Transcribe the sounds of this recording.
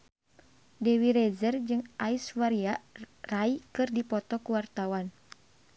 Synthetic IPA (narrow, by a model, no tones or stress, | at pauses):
dɛwiɾɛzərd͡ʒɨŋaiswaɾiaraikɨrdipɔt̪ɔkuwart̪awan